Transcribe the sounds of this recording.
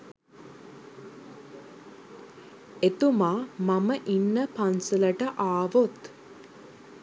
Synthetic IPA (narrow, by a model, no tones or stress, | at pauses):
et̪umaːmaməʔinːəpansulɐʈəʔaːʋot̪